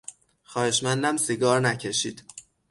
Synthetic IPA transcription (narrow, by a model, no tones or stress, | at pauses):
xɒːhe̞ʃmænd̪æmsiɡɒːɾnæcʰeʃḭːd̪̥